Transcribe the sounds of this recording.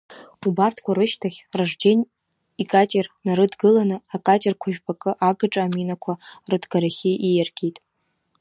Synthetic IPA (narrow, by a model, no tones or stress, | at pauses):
ubartʰkʷʰaɾɨʃtʰaχʲraʐd͡ʒenʲ | ikʼatʲʼernaɾɨdɡɨlanɨakʼatʼerkʷʰaʒᶣʲbʰakʼɨʔaɡɨʈ͡ʂʼaːminakʷʰarɨdɡaɾaχʲiʔijarɡ̥ʲitʼ